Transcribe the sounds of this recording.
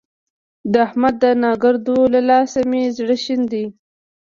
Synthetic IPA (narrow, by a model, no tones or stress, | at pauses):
d̪əahmad̪ːənɑɡaɾd̪olalɑsamezɽəʃind̪i